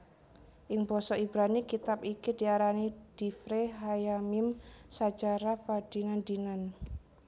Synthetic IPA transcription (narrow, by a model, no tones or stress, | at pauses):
ʔɪŋbɔsɔibɾanikit̪apikid̪̥iaɾanid̥ifɾeɦajamɪmsḁd͡ʒaɾafad̥inand̪inan